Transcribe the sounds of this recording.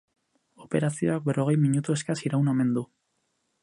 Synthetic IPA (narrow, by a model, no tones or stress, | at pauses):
ope̞ɾasio̞ak̚be̞rʔo̞ɣe̞jmiɲut̪ue̞skasiɾawname̞nd̪u